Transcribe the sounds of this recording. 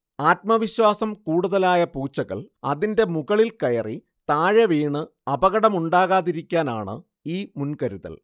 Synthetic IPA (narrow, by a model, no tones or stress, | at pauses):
aːt̪̚mɐʋiɕwaːsɐmkuːɽuðɐlaːjɐpuːt͡ɕːɐɣɐ̰ɭɐ̰ðinde̞muɣɐɭilkɐjɐri | t̪aːɻɐʋiːɳɨ | ɐbɐɣɐɽɐmuɳɖaːɣaːðiɾikʲːaːnaːɳɨ̰ | iːmunkɐɾuðɐ̰l